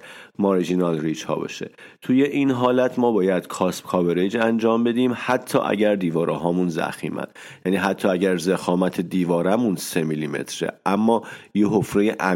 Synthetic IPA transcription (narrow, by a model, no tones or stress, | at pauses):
mɒɾid͡ʒinɒlriːd͡ʒhɒ̰ːbɒ̰ʃḛt̪ʰuje̞ʔinɦɒːlæt̪ʰmɒːbɒːjæd̪̥kʰɒːspkʰɒbeɾed͡ʒænd͡ʒɒːmbe̞d̪iːmhæt̪ʰːɒ̰ːʔæ̰ɟæɾd̪iːvɒːɾʔɛːɦɒːmunzæ̰xḭːmæ̰nd̪ | jæːniːɦæt̪ʰːɒːæɟæɾzexɒːmæt̪ʰed̪iːvɒːɾæmunsemilimḛt̪ʰɾḛʔæmːɒːjeɦofɾejeʔæ